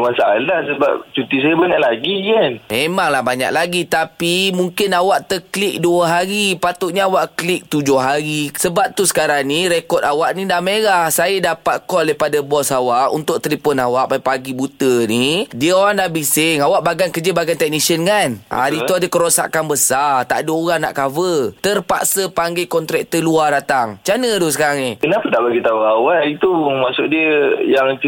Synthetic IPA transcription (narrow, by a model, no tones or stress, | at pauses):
mansaalahsəba̰p̚t͡ʃut̪is̬ajəbaɲaʔlaɡijanmemaŋlahbaɲa̰ʔ̚laɡit̪apimuŋkɪnawaʔt̪əklik̚duəɦaɾipat̪ʊʔɲaawaʔklik̚t̪ud͡ʒʊhɦaɾisəbap̚t̪usə̥kaɾaŋniɾekɔt̪awaʔnidamelahsajadapat̪̚kɔldapadabɔsawaʔṵnt̪ʊk̚t̪ɾipɔnawaʔpapaɡibut̪ənidiəoɾaŋdaʔbisɪŋawaʔbaɡankəd͡ʒəbaɡant̪ɛk̚nisənkanʔa̰dit̪uadəkəɾosa̰kanbəsart̪a̰ʔdəoɣaŋna̰ʔkavət̪ərpa̰ʔsəpaŋɡakɔnt̪ɾɛk̚t̪əluadat̪aŋt͡ʃanədosəkaɾaŋnikənapətaʔbaɡit̪auawaʔit̪umaʔsʊʔdiəjaŋ